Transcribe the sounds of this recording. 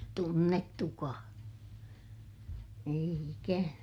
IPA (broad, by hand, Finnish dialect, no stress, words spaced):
tunːetːukɑː eij ikænæ